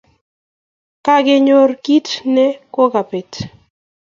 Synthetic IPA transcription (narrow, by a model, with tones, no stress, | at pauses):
ka˦ɡe˦ɲo˦rki˦tnɛ˦ko˦ɡa˨pe˨t